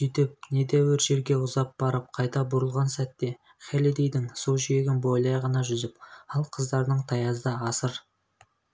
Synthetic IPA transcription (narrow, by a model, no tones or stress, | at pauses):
sʏjt̪ɪp̚ne̞d̪æwɪɾʒe̞ɾɡʲe̞ʊzɑp̚b̥ɑɾəp̚qʰɑjt̪ɑbʊɾəlˠʁɑnsæt̪ːe̞ | χʲælid̪ejd̪ɪŋsulˠʒijeɡʲɪnbo̞jlˠɑjʁɑnɑʒʏzɪpɑlˠqʰəzd̪ɑɾnəɴt̪ʰɑjɑzd̪ɑɑsəɾ